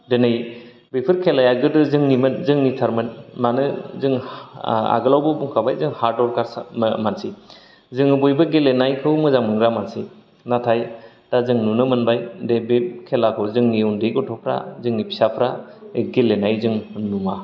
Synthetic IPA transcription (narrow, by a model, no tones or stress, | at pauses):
denɯj | bepʰɯɾkʰelajaɡɯdɯzɯŋnimɯnzɯŋnitʰaɾmɯnmanɯzɯŋ | a̰ɡɯlawbɔbuŋkʰabajzɯŋhaɾdɔɾkʰaɾsmansi | zɯŋɯbɔjbɯɡelenajkʰɯwmɯzaŋmɯŋɾamansi | natʰaj | d̥azɯŋnunɯmɯnbajdebekʰelakʰɔzɯŋniundeɡɔtʰɔpʰɾa̰zɯŋnipʰi̥sapʰɾa | ɡelenajzɯŋnuŋa